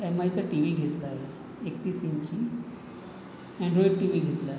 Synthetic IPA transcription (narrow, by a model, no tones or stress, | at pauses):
emajt͡saʈiʋiːɡʱet̪laɦe | ek̚t̪iːsiɲt͡ɕi | ɛ̃ɳɖɾɔiɖ̚ʈiʋiːɡʱet̪laɦe